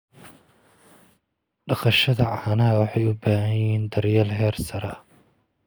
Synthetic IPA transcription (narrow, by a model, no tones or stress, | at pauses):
ɖɐqɐʃɐðɐʕɑhɐnɐɦɐwɑħɑjʊbaːɦɐjhiːnd̪ɐɾjɐːlɦɛːrsɐɾɐ